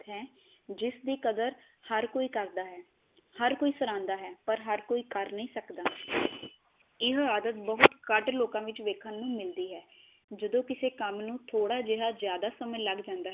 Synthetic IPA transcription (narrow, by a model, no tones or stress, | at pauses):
ɦɛː | d͡ʒɪsd̪iːkəd̪əɾ | həɾkoːiːkəɾd̪aːɦɛː | həɾkoːiːsəɾãːnd̪aːɦɛːpəɾɦəɾkoːiːkəɾnĩːsəkd̪aː | ɪɦaːd̪ət̪̚bəɦʊt̪kəɖloːkãːʋɪt͡ʃʋeːkʰənːũːmɪld̪iːɦɛː | d͡ʒəd̪õːkɪseːkəmnũːt̪ʰoːɽaːd͡ʒeɦaːzjaːd̪aːsəmə̃ləɡd͡ʒãːnd̪aː